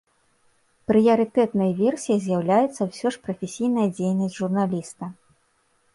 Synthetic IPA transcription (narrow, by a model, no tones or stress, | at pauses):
pɾɨjɐɾɨt̪ɛt̪nɐjɐvʲɛrsʲijizʲjawlʲajɛt̪sːɐwsʲɔʂpɾɐfʲesʲijnɐjɐd͡zʲejnɐsʲʐurnalʲist̪ɐ